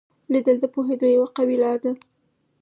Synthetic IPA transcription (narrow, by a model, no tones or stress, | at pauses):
lid̪əld̪əpoɦed̪ojawaqabilɑɾd̪a